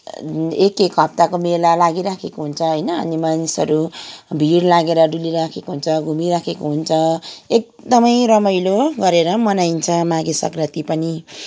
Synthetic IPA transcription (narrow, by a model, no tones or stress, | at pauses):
ekːekɦʌp̚t̪akomelalaɡiɾakʰekoɦunt͡sʰʌɦʌjnʌ̰ːnimanisʌɾubʱiɾlaɡeɾʌɖuliɾakʰekoɦunt͡sʰʌɡʱumiɾakʰekoɦunt͡sʰʌek̚d̪ʌmʌjɾʌmʌjloɡʌɾeɾʌmʌnajnt͡sʰʌmaɡesʌ̰krʌt̪ipʌni